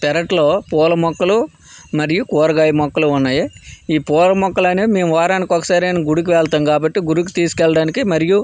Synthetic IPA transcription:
t̪ɛɾɐʈloːpɔːlɐmɔkːɐlu | mɐɾijukɔːɾɐɡaːjɐmɔkːɐluunːaːjiiːpɔːlɐmɔkːɐlɐneme̞ːmuʋaːɾaːnikɔkːɐ̥saːɾiɐnɐɡuɽuk̬iʋɛɭt̪ɐːmɡaːbɐʈːiɡuɾuk̬i̥t̪iːsu̥kɛlɐɽaːnikimɐɾiju

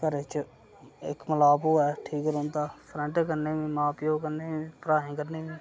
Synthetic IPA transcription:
kəɾeːt͡ʃ | ɪ̰kməlaːpoːɛːʈʰiːkɾõːnt̪aːpʰɾə̃ɳʈkəɾneːʋĩːmaːpjoːkəɾneːĩːpɾaːɦĩːkəɾneːʋĩː

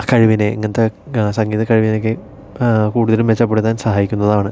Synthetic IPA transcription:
kɐɻiʋineiŋːɐnt̪ːesɐŋɡiːðɐkɐɻiʋinok̬ːe | kuːɽuðɐlumʋet͡ɕːɐp̬ːeɽut̪ːaːnsɐɦaːjikʲːunːɐðaːɳɨ

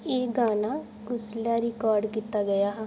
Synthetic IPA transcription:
eːɡaːnaː | kʊslaɾɪkɔːɾɖkiːt̪aːɡəjaːɦɛː

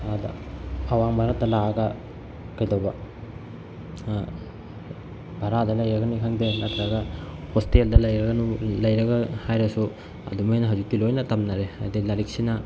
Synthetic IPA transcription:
ada̰awaŋbʱaɾat̪ːɐlaɡɐ | kajdawba | bʱaɾad̪ɐlɐjɾɐɡɐnikʰaŋd̪enat̪ɾaɡahostiɐld̪ɐlɐjɾɐɡɐnulɐjɾɐɡɐhajɾasu | ɐ̰d̪umajnɐɦɐd͡ʒut̪ilojnɐt̪ɐmnaɾea̰d̪ilɐɾik̚sina

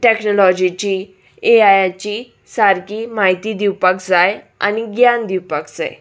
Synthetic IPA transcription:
ʈɛknolɔd͡ʑit͡ɕi | eajat͡ɕiː | saɾkimaɦit̪id̪iwpəkd͡zaj | a̰ñiɡjand̪iwpəkd͡za̰e

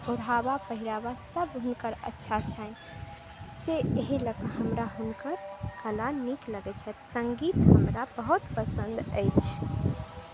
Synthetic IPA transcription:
oɾabapəɦiɾabasəbɦunkəɾə̰tːʃʰat͡ʃʰən | seeɦiləkəɦəmɾaɦunkəɾkəlanikləɡɛt͡ʃʰɛt̪səŋɡit̪ɦəmɾabəɦut̪pəsə̃nd̪ə̰jt͡ʃʰ

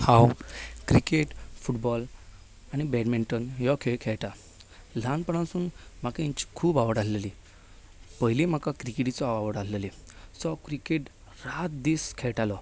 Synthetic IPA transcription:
hãwkɾikeʈfuʈbɔl | añibɛɽmiɳʈənjɔkʰeɭkʰɛɭʈa | l̤anpəɳãsuːnm̤akaĩɲt͡ɕi̥kʰuːbaʋəɽalleli | pəɦjlim̤akakɾikeʈit͡sɔaʋaʋəɽallelisɔkɾikeʈ | ɾat̪̚d̪iːskʰɛɭʈalɔ

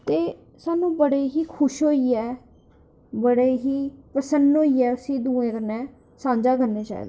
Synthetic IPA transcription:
t̪eː | saːnũːbəɽeːɦiːkʰʊʃɦoːiːɛː | bəɽeːɦiːpəsənd̪ɦoːiːɛːʊsĩːd̪ũːẽːkəɾnɛː | sãːɲd͡ʒaːkəɾneːt͡ʃa̰ːḭːd̪ː

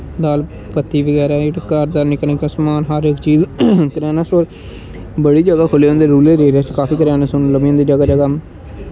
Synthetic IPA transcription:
d̪aːl | pət̪ːiːʋəɡɛːɾaːɪʈkaɾd̪aːɾnɪkənekãːsmaːnɦəɾɪkt͡ʃiːzkəɾɛːnasoːɾ | bəɽiːd͡ʒəɡaːkʰʊleːõnd̪eɾuːleːɾeːɾaːt͡ʃkaːpiːkəɾɛːnasʊnləmijãːd̪iːd͡ʒəɡaːd͡ʒəɡaː

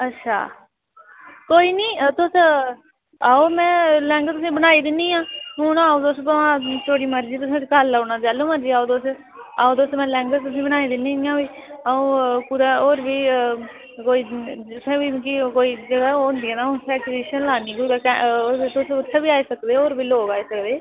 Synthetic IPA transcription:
ətːʃʰa̰ː | koːiːniːt̪ʊs | aːoːmɛ̃ːlɛ̃ːŋɡt̪ʊsĩːbənaːiːd̪ɪnːiːãːɦʊnaːoːd̪oːsəãːt̪ʰoːɽiːməɾd͡ʒiːt̪̬ʊsẽːkalaːonãːd͡ʒɛːlõːməɾd͡ʒiːaːoːd̪oːs | aːoːd̪ʊsmɛ̃ːlɛ̃ːŋɡət̪ʊsĩːbəñaːiːd̪ɪniːniːãːʋiː | aːõːpʊɾaːoːɾbiː | koːiːʊt̪ʰẽːbiːkikoːiːd͡ʒəɡaːoʊ̃nd̪iːãːnaːsʰɛːʈɾiːʃənlaːnĩːkuːkɛ̃t̪ʊsʊt̪ʰːebiːaːiːsəkd̪eːoːɾbiːloːɡaːeːsəkd̪eː

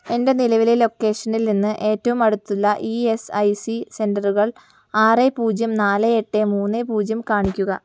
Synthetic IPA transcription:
e̞nde̞nilɐʋilelo̞kːe̞ːʂɐnilninːɨʔe̞ːtːɐʋumɐɽut̪ːulːɐʔiesɐjsise̞ndɐruɣɐɭ | aːrepuːd͡ʑjɐmnaːleeʈːemuːnːepuːd͡ʑjɐmkaːɳikʲːuɣɐ

